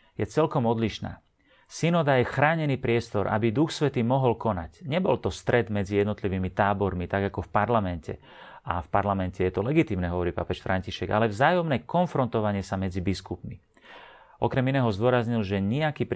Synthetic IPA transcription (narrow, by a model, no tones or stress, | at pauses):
jɛt͡sɛlkɔmɔd̪liʃna̰ː | sinɔd̪ajɛxɾaːɲɛniːpɾɪɛst̪ɔɾʔa̰bid̪uxsʋɛt̪iːmɔɦɔlkɔnacɲɛbɔlt̪ɔst̪ɾɛd̪mɛd͡zijɛd̪nɔt̪liʋiːmit̪aːbɔɾmit̪aɡakɔfpaɾlamɛncɛ̰ | afpaɾlamɛncɛjɛt̪ɔlɛɡit̪iːmnɛɦɔʋɔɾiːpa̰pɛʃfɾʔaɲciʃɛɡa̰lɛvzaːjɔmnɛkɔnfɾɔnt̪ɔʋaɲɪɛsamɛd͡zibiskupmi | ʔɔkɾɛminɛːɦɔzd̪ʊɔɾazɲilʒɛɲɛakiːp